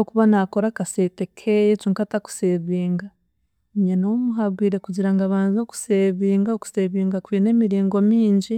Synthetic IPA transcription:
okuβanako̞ɾakase̞te̞kʰejet͡ʃuːŋkataku̥seβiːŋɡa | ɲenomuɦabɡwiːɾe̞kuɟiɾaŋɡaβaːnzoku̥seβiːŋɡaoku̥seβiːŋɡakwine̞miɾiːŋɡo̞miːɲɟi

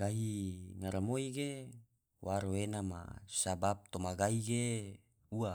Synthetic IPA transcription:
ɡaɦiŋaɾamoiɡe | wʔaɾoenama̰sabap̚t̪omaɡaiɡe | ua

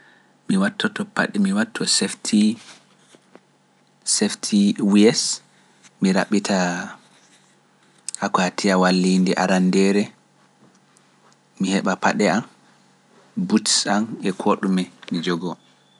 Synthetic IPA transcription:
miwatːɔtɔpa̰ɗɛmiwatʰːɔsɛftʰi | sɛftʰiwiɛs | miɾa̰ɓitʰa | akatiawalːindɛʔaɾandɛɾɛ | mihɛɓapaɗɛam | butsanɛkʰoɗumɛmid͡ʒɔɡɔ

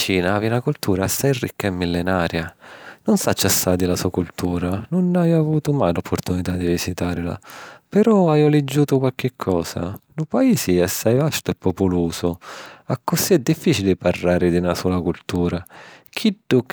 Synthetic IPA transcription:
t͡ʃiːnaavinakult̪uːɾasajrḭkːaɛmːilːɪnaːɾjanʊnsat͡ʃːasːad̪ilasuakult̪uːɾanʊnajavuːt̪ʊmajlɔpʰːoɾt̪unit̪ad̪ːivisit̪aːɾɪla̰pɛɾɔajɔlɛd͡ʒːuːt̪ʊkwalk̟ɪkʰːɔːsa̰nʊpaiːsiɛsːajvast̪ʊɛpːopʊluːsʊakːʊsiɛd̪ːifːiːt͡ʃilɪparːaːɾɪd̪iunasɔːlakult̪uːɾak̟ʰiɖːʊ

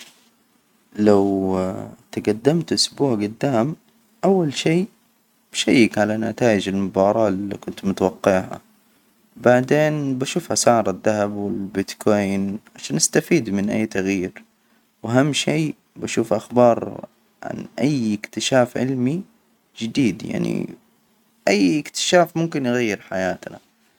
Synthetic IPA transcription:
law | t̪aɡad̪ːamt̪ʔʊsbuːʕɡʊd̪ːaːm | ʔawːalʃeː | b̥ʃajːakʕalanat̪aːjɪd͡ʒalmʊbɑːɾˤɑːlːikʊnt̪mʊt̪awɑqːɪʕʕa̰ | baʕd̪eːnbaʃuːfhasaʕɾˤaðːaɦabwɪlbɪt̪kʰoːjnʕaʃaːnʔast̪afiːd̪mɪnʔa̰jːt̪aɣjiːɾ | waɦamːʃiː | baʃuːfʔaxbɑːɾˤ | ʕa̰nʔajɪkt̪ɪʃaːfʕɪ̰lmi | d͡ʒɪd̪iːd̪ja̰ʕnḭ | ʔajːɪkt̪ɪ̥ʃaːfmʊmkɪnjɪɣajːɪɾħajaːt̪na̰

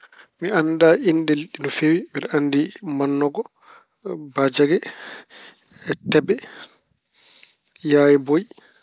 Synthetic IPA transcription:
mianːdaʔindɛliɗːinɔfewimiɾanːdimanːɔɡɔ | bad͡ʒaɡɛ | ɛtɛbɛ | jaːjɛboj

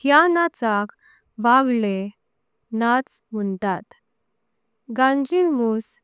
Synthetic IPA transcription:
hjanat͡sak | ʋaɡle | nat͡sm̤əɳʈ̪at̪ | ɡãnd͡ʑilmus

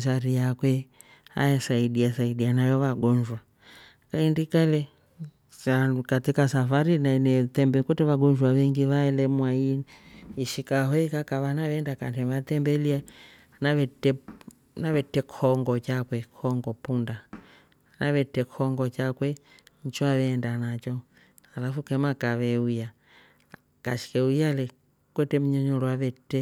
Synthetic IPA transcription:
saɾijakwɛ | a̰jasaiɗiasaiɗianajɔβaɡɔɲd͡ʒwa | kaindikalɛ | akatikasafaɾinanɛtɛmbɛkutɛβaɡɔɲd͡ʒwaʋɛŋɡiβaɛlɛmwai | iʃikaɦɔɛkakaβanaβɛndakantɛβatɛmbɛlia | naβɛtɛ | naβɛtɛkʰɔŋɡɔt͡ʃakwɛkʰɔŋɡɔpunda | naβɛtɛkʰɔŋɡɔt͡ʃakwɛ | ɲ̩t͡ʃaβɛːndanat͡ʃɔ | halafukɛmakaʋɛuja | kaʃi̥kɛujalɛ | kwɛtɛm̩ɲɔɲɔlɔwaβɛtɛ

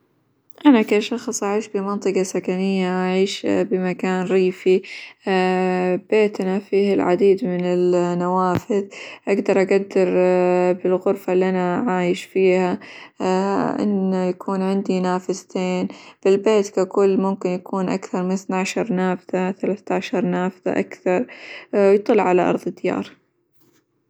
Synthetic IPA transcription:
ʔanakaʃɑxsˤʔaʕiːʃbɪmɑnt̪ˤɨqɑsakanɪjːaʔaʕiːʃbɪmakaːnɾiːfi | b̥eːt̪anafiːhɪlʕa̰d̪iːd̪mɪnɪlnawaːfɪðʔaɡd̪ɑɾˤʔaɡad̪ːɪɾbɪlɣʊɾfalːiʔanaʕaːjɪʃfiːha | ʔɪ̰nːajakʰuːnʕɪnd̪inaːfɪzt̪eːnb̥ɪlbeːt̪kakʊlːmʊmkɪnjakuːnʔa̰kθɑɾˤmɪnɪθnaʕʃɑɾˤnaːfðaθalaːθt̪aʕʃɑɾˤnaːfða̰ʔakθɑɾˤwjt̪ˤɨlːʕalaʔɑ̰ɾˤðˤɨd̪ːjɑ̰ːɾˤ

